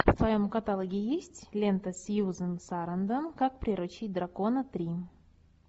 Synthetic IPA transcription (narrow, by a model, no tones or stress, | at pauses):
fsvɐjomkɐt̪alˠəɡʲijisʲtʲlʲent̪əsʲjuzənsaɾənd̪ənkak̚pɾʲɪɾʊt͡ɕit̚ʲd̪rakonət̪ɾʲi